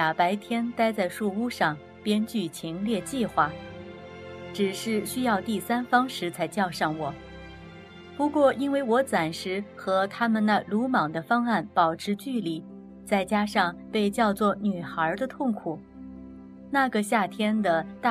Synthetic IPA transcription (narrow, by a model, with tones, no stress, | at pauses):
a˨˩pa˧˥ɪt̪ʰjɛ˥nt̪a˥ɪt͡sa˥˧ɪʂu˥˧u˥˧ʂɑ˥˩ŋ | pjɛ˥nt͡ɕy˥˩t͡ɕʰi˧˥ŋljɛ˥˧t͡ɕi˥˧xwa˥˩ | ʈ͡ʂɻ̩˨˩ʂɻ̩˥˩ɕy˥jɑ˥˧ʊt̪i˥˩sa˥nfɑ˥ŋʂɻ̩˧˥t͡sʰa˧˥ɪt͡ɕjɑ˥˧ʊʂɑ˥˩ŋwɔ˨˩˦ | pu˧˥kwɔ˥˩i˥nwe˥˩ɪwɔ˧˥t͡sa˨˩nʂɻ̩˧˥xɤ˧˥t̪ʰa˥mə˨nna˧˩lu˧˥mɑ˨˩ŋd̪ə˦fɑ˥ŋa˥˩npɑ˨˩ʊʈ͡ʂʰɻ̩˧˥t͡ɕy˥˩li˧˥ | t͡sa˥˩ɪt͡ɕja˥ʂɑ˥˧ŋpe˥˧ɪt͡ɕjɑ˥˧ʊt͡swɔ˥˩ny˨˩xə˞˧˥d̪ə˧t̪ʰʊ˥˩ŋkʰu˨˩˦ | na˥˩ɡə˩ɕja˥˩t̪ʰjɛ˥nd̪ə˨t̪a˥˩